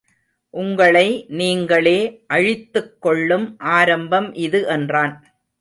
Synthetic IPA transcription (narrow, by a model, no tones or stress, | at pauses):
ʔʊŋɡɐɭɐɪniːŋɡɐɭeːʔɐɻɪt̪ːɯkːɔɭːɯmʔaːɾɐmbɐmʔɪðɯʔɛndraːn